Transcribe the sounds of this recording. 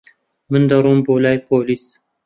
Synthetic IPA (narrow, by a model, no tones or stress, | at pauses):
mɨnd̪ɐɾoːmbolaːjpʰoːlis